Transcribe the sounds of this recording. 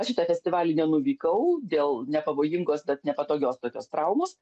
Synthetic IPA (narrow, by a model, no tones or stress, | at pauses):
ɐʃʃʲɪt̪ɑːfʲɛsʲt̪ʲɪʋɑːlʲɪnʲɛnʊʋʲiːkɐʊd̪ʲeːlˠnʲɛpɐʋoːjɪŋɡoːsbʲɛt̪nʲɛpɐt̪oːɡʲoːst̪oːkʲoːst̪ɾɐʊmoːs